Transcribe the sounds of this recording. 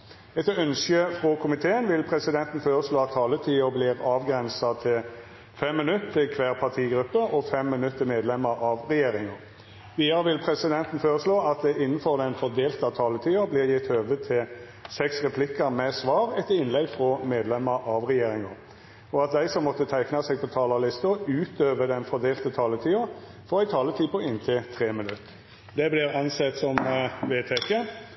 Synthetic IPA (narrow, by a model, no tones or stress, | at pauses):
ɛt̪œnskəfʁɔkʰʊmɪt̪ʰeːənʋɪlpʰʁɛsɪd̪ɛnt̪n̩føːɾəsloːɑt̪ʰːɑːlət̪ʰiːəblɪʁɑːʋɡɾɛnsɑt̪ʰɪl | fɛmːɪnʉt̪ːɪkʰʋæːʁpʰɑt̪ʰiːɡɾʉpːəʔɔfɛmːɪnʉt̪ːəmeːd̪lɛmːəɾʔɑʋʁɛjeːɾɪŋɑ | ʋiːɑɾəʋɪlpʰʁɛsɪd̪ɛnt̪n̩føːʁəsloːɑt̪̚d̪ɛʔɪnːənfɔʁd̪ɛnfɔʁd̪eːlt̪ɑt̪ʰɑːlət̪ʰiːəblɪʁjɪt̪høːʋət̪ʰɪl | sɛksʁɛpʰlɪkəmɛsʋɑːʁɛt̪ːəɪnlɛɡfʁɔmeːd̪lɛmːəɾɑʋʁɛjeːɾɪŋɑ | ɔɑt̪̚d̪æɪsɔmːɔt̪ːət̪ʰæɪknɑsɛɡ̚pʰɔt̪ʰɑːlɑlɪst̪əʉːt̪øːʋəd̪ɛnfɔd̪eːlt̪ət̪ʰɑːlət̪ʰiːʊ | fɔʁæɪt̪ʰɑːlət̪ʰiːpɔɪnt̪ʰɪlt̪ʰʁeːmɪnʉt̪ː | d̪ɛblɪʁɑnsɛt̪sɔmʋeːt̪ʰɛkə